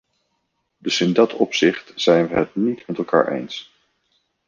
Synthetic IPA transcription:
dɵsɪndɑtʰɔpsɪχtz̥ɛjnʋəɦət̚nitmɛtɛlˠka̰ːɹʔḛjns

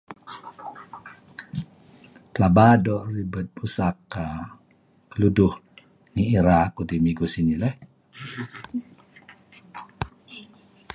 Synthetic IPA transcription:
t̪labadɔʔribət̪̚busaka | kəluduh | ŋiiɾakudimiɡusinilɛh

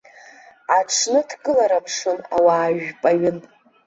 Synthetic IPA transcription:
aʈ͡ʂʰnɨtʰkʼɨlaɾapʰʂɨna̰waːʒᶣpʼaɥʊn

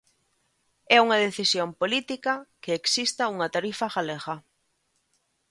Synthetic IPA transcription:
ɛuŋaðeθisjompolit̪ikakeeksist̪auŋat̪aɾifaɣaleɣa

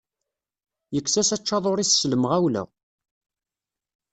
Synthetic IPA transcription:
jəkːsæsæt͡ʃːɑðˤoɾissləmʁæwlæ̰

